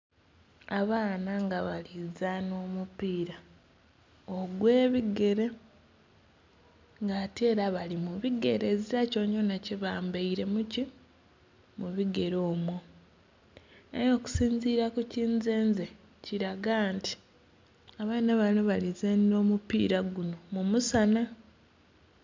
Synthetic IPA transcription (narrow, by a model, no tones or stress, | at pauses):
aβaːnaŋɡaβalizano̞ːmupiːɾa | oɡwe̞ːβiɡe̞ɾe̞ | ŋɡaːteːɾaβalimuβiɡe̞̰ɾe̞ziɾaco̞ɲonaciβaːmbaiɾe̞muci | muβiɡe̞ɾo̞ːmwo | ejoku̥siːnziːɾakuciːnze̞ːnze | ciɾaɡanti̥ | aβaːnaβanoβalizeno̞ːmupḭːɾaɡuno̞mumusana